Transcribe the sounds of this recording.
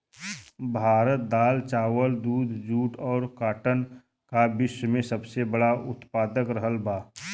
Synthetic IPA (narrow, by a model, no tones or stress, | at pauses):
bʱaːɾət̪̚d̪aːlt͡ʃaːwəld̪uːd̪ʱd͡ʒuːʈɔːɾkaːʈən | kabɪʃəmẽsəbsebəɽaʔʊt̪paːd̪əkɾəɦəlbaː